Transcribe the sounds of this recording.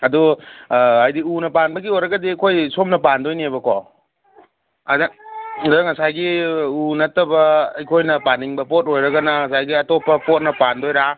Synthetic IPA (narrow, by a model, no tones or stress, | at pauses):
ɐdu | ajdiunɐpanbɐɡiojɾɐɡɐdiajkʰojsomnɐpandojniebɐko | addŋɐsajɡiunɐtːɐbɐːjkʰojnɐpaniŋbɐpot̚ojɾɐɡɐnɐŋɐsajɡiɐtopɐpot̚nɐpandojɾa